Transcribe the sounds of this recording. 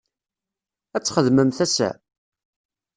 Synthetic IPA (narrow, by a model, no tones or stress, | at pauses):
æt͡sːχəðməmθæsæ̰